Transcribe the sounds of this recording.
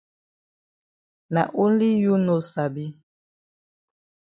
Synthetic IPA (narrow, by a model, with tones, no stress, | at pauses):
na̰˨ʔu˦n˦li˦ju˦no˦sa˨bi˦